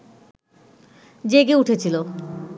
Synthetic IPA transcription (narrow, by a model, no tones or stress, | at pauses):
d͡ʑeɡeuʈʰet͡ɕʰilo